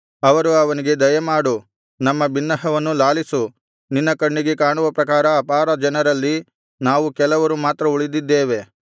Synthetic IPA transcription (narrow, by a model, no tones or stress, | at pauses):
ɐʋɐɾuɐʋɐniɡe̞d̪ɐjɐmaːɽu | nɐmːɐbinːɐɦɐʋɐnːulaːlisu | ninːɐkɐɳːiɡe̞kaːɳuʋɐpɾɐkaːɾɐːpaːɾɐd͡ʒɐnɐɾɐlːi | naːʋukɛlɐʋɐɾumaːt̪ɾɐuɭid̪id̪ːeːʋe̞